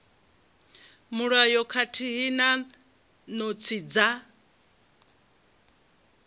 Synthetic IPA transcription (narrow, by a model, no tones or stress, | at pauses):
muɺajɔkʰatʰiɦina | nɔt͡sʰid͡za